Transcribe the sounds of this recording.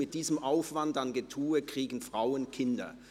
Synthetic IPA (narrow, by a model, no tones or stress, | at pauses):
mɪt̚d̥iːzəmʔaʊfv̥andanɡetʰuːəkʁ̥iːɡn̩fʁ̥aʊənkʰɪndɐ̰